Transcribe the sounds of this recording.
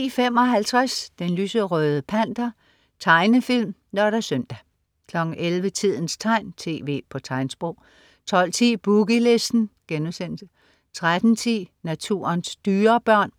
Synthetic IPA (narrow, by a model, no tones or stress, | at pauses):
fem̰ɒ̽ɦælt͡sʰʁasd̥enlyːsəʁœːð̞ˠəpʰæn̰d̥ɐ | t͡sʰɑ̈ɪnəfil̰m | nɒɾɐsœmd̥æ | kʰlɒ̽ɡ̥ŋ̩ʔelʋət͡sʰið̞̰ˠn̩st͡sʰɑ̈ɪ̰nt͡sʰe̝̰ːʋe̝̰ːpʰɒ̽t͡sʰɑ̈ɪnsb̥ʁɔʊ̰ | t͡sʰɒ̽l̰t͡sʰḭːb̥uɡ̥ile̝sd̥n̩ɡ̥enmsen̰sə | t͡sʰʁad̥n̩t͡sʰḭːnæt͡sʰṵɐnsd̥yːɐb̥ɶɐ̰n